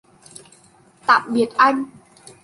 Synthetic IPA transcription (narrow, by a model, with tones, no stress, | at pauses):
t̪a̰ː˧˨mɓi˨˩ət̚ʔa˧jŋ̟